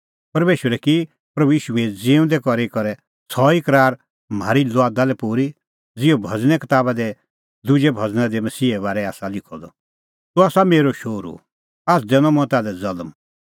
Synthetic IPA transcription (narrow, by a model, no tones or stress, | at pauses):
pɐɾmeːʃʋəɾɛki | pɾɐbujiːʃued͡ziːʊ̃nd̪ɛkɔɾikɔɾɛ | sɔikɐɾaːɾ | maːɾilɔaːd̪alɛpuːɾi | d͡zɪobʱɐd͡znɛkɐt̪aːbad̪ɛ | d̪ud͡ʒɛbʱɐd͡znad̪ɛmɐsiːɛbaːɾɛaːsalɪkʰɔd̪ɔ | t̪uaːsameːɾoʃoːɾṵ | aːsʰd̪ɛnɔmɔ̃t̪aːlɛd͡zɐlm